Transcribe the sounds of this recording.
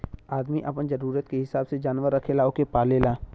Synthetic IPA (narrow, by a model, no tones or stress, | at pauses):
aːd̪miʔɐpənd͡ʒɐɾuːɾət̪keɦɪsaːbsed͡ʒaːnʋəɾːɐkʰelaːokepaːleːlaː